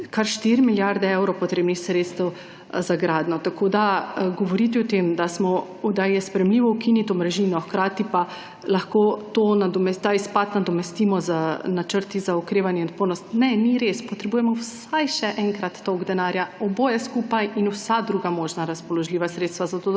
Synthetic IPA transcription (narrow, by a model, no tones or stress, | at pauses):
kaɾʃt̪iɾmiljaɾd̪ɛɛwɾɔwpɔt̪ɾeːbnixsɾeːt̪st̪ɛw | zaɡɾaːd̪nɔt̪akʰod̪aɡɔʋɔɾit̪̬iɔt̪emd̪asmɔ | ud̪ajɛspɾɛjɛmliːʋɔukinit̪omɾɛʒiːnɔxkɾaːt̪ipa | laxkot̪onad̪ɔmɛt̪aispat̪nad̪ɔmɛst̪iːmɔzanat͡ʃəɾt̪izaukɾeːʋanjɛnt̪poɾnɔst̪nɛniɾespɔt̪ɾɛbuːjɛmɔws | ajʃɛʔɛŋkɾat̪ːoɡd̪ɛnaːɾjaɔbojɛskuːpajinusad̪ɾuːɡamoːʒnaɾaspɔlɔʒliːʋasɾet̪st̪ʋazat̪oː